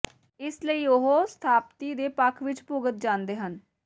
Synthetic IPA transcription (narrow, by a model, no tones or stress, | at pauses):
ɪsləiːʊɦoːst̪ʰaːp̚t̪iːd̪eːpəkʰʋɪt͡ʃpʊɡət̪̚d͡ʒãːnd̪eːɦən